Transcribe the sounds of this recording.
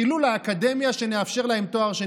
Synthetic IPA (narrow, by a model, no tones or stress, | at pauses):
ilulaːkad̪e̞mjaʃe̞neafʃe̞ʁlahe̞mt̪o̞aʁʃe